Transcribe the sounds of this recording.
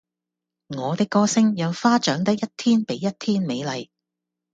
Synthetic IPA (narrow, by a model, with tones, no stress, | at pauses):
ŋɔː˨˧t̪ɪ˥kːɔː˥sɪ˥ŋjɐ˨˧wfaː˥t͡ʃœː˨˥ŋt̪ɐ˥k̚jɐ˥t̚t̪ʰiː˥npe˨˥jːɐ˥t̚t̪ʰiː˥nme˨˧jlɐ˨˧j